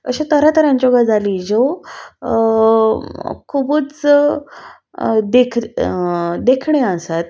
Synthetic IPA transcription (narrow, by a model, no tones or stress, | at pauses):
ə̰ɕẽt̪əɾat̪əɾãɲd͡ʑoɡad͡zaliːd͡ʑo | kʰubut͡s | d̪ekʰ | d̪ekʰɳeəsat̪